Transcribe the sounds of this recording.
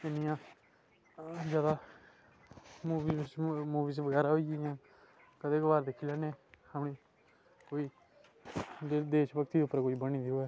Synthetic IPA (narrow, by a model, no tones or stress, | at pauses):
ɪnijãː | d͡ʒjaːd̪aː | muːʋiːmuːʋiːsʋəɡɛːɾaːɦoːijãː | kəd̪eːkəʋaːɾd̪ekʰːiːlaːneːhəmɳiː | koːiː | d̪eːʃbəkt̪iːd̪eʊpːəɾkoːiːbəñĩːd̪ioɛː